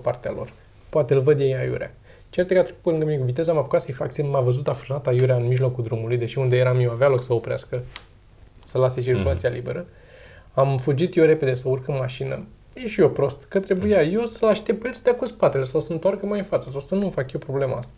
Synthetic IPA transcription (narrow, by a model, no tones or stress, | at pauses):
part̪ealo̞̰r | poat̪eɨlvəd̪jejajṵɾʲḛa̰ | t͡ʃeɾt̪ekat̪ɾekut̪peɨŋɡəminekuvit̪e̞zəmapukat̪səjfaksemavəzut̪afɾənat̪ajuɾaɨnmiʒlo̞kuld̪ɾumulujd̪e̞ʃiund̪e̞jeɾamjewavealo̞ksəo̞pɾea̰skə | səlase̞t͡ʃirkulat̪sialibe̞ɾə | amfud͡ʒit̪jeɾe̞pe̞d̪e̞səurkəmmaʃinə̰ | eʃio̞pɾo̞st̪kət̪ɾe̞bujajo̞səlaʃt̪epilsə̥t̪eakuspat̪elesawsəɨnt̪warkəmajɨnfat̪səs̬awsənufakjepɾo̞ble̞maast̪ḁ